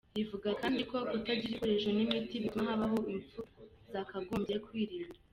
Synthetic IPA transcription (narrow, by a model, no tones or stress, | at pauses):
jivuɡakaːndiko̞ʔutaɟiɾikoɾeʒonimitiβimaɦaβaɦo̞iɱfuzakaɡoːmbe̞kwiːɾiːnda